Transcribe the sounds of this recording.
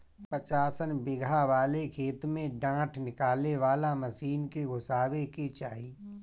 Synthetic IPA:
pɾət͡ʃaːsənbɪɡʱaʋaːlekʰeːt̪mẽɖãːʈʰnɪkaːleʋaːlaməsiːnkeɡʱʊsaːweket͡ʃaːɦi

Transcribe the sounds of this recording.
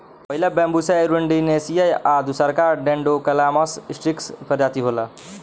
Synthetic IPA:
pəɦilebɛ̃mbuseɾuɳɖinesijajad̪usəɾkaɾɖẽɳɖokɐlamɔssʈɾikspʰəɾjat̪iɦolə

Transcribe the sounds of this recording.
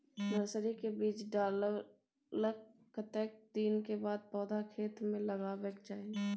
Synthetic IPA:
nəsɾikebiːt͡ʃɖaːl | ləkː | ət̪ɛːk̚d̪iːnkebaːd̪̚pɔːd̪akʰeːt̪mẽləɡabeːkt͡ʃaːɦie

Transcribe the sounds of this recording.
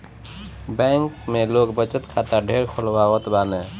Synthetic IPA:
bɛŋkmelokbət͡ʃət̪kʰat̪əɖʱeɾkʰolbawət̪banɛ

